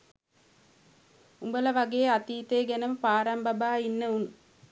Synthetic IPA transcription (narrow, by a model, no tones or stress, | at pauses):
umbələʋaɡeːat̪iːt̪ejːɡænəməpaːɾambabaːinːəun